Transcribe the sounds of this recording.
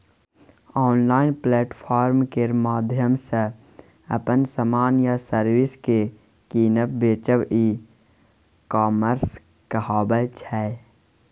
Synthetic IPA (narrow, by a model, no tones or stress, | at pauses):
ɔːnlaːɪnplɛːʈpʰaːɾmkeɾmaːd̪ʱjəmsə | ə̰pənsəmaːnjasəɾwɪske | kiːnəp̚beːt͡ʃəʋiː | kaːməɾs | kəhaːbət͡ʃʰɛ